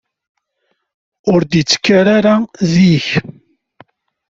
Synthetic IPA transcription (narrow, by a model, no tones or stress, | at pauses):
ʊɾd̪it͡sːə̥kːaɾaɾaðiç